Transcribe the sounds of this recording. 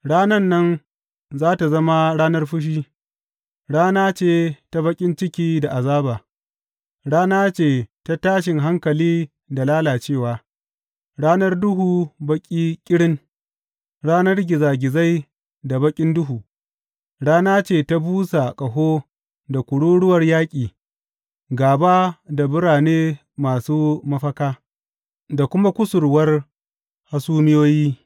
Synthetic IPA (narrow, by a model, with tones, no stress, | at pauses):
ɽaː˦nɐ˦nːɐ˦n | zaː˦ta˨zɐ˦ma˦ɽaː˦nɐ˦rɸʊ˦ʃ̬iː˦ | ɽaː˦naː˦t͡ʃeː˦˨ta˦bɐ˦kʲʼɪ˦nt͡ʃɪ˦kʲiː˦da˨ʔa˨zaː˦baː˨ | ɽaː˦naː˦t͡ʃeː˦˨ta˦taː˦ʃ̬ɪ˨ŋɦa˦ŋkɐ˨liː˦ | da˨laː˦laː˨t͡ʃeː˦˨waː˨ | ɽaː˦nɐ˦rdʊ˦ɦuː˨bɐ˦kʲʼiː˦kʲʼɪ˦ɽɪ˦ŋ | ɽaː˦nɐ˦rɡʲɪ˨zaː˨ɡʲɪ˨za˦j | da˨bɐ˦kʲʼɪ˦ndʊ˦ɦuː˨ | ɽaː˦naː˦t͡ʃeː˦˨ta˦buː˦sa˨kʼɐ˨ɦoː˦ | da˨kʷʊ˨ɽuː˦ɽʊ˦wɐ˨rjaː˦kʲʼiː˨ | ɡaː˨baː˦da˨bʊ˦ɽaː˨neː˦ | maː˨suː˦mɐ˦ɸɐ˦kaː˦ | da˨kʷʊ˦ma˦kʷʊ˦sʊ˨rwɐ˦r | ha˦suː˦mɪ˦joː˦jiː˦